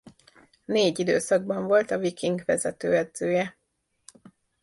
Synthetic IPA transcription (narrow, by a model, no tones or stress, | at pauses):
neːɟid̪ø̰ːsɒɡ̚bɒɱvo̞lt̪ɒvikiŋɡʋɛ̰zɛt̪øːɛd̪zøːjɛ